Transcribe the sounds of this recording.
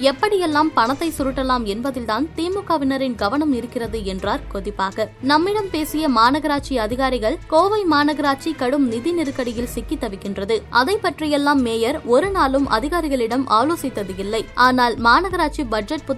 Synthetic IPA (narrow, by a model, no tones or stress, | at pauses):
ɛpːɐɽɪjɛlːaːmpɐɳɐt̪ːɐɪsʊɾɯʈːɐlaːmɛnbɐðɪlt̪aːnt̪iːmʊkːɐʋɪnɐɾɪnɡɐʋɐnɐmɪɾɯkːɪrɐðɯɛndraːɾkɔðɪpːaːɣɐnɐmːɪɽɐmpeːsɪjɐmaːnɐɣɐɾaːt͡ʃiɐðɪɣaːɾɪɣɐɭkoːʋɐɪmaːnɐɣɐɾaːt͡ʃikɐɽɯmnɪðinɪɾɯkːɐɽɪjɪlsɪkːɪt̪ːɐʋɪkːɪndrɐðɯʔɐðɐɪpːɐʈrɪjɛlːaːmːeːjɐɾɔɾɯnaːlɯmʔɐ̰ðɪɣaːɾɪɣɐɭɪɽɐmʔa̰ːloːsɪt̪ːɐðɯjɪlːɐɪʔaːnaːlmaːnɐɣɐɾaːʈt͡ʃibɐd͡ʒɛʈ̚pʊ